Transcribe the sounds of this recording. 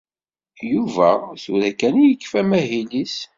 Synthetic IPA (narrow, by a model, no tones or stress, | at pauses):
juvæθuɾækːænijəkːfæmæɦilis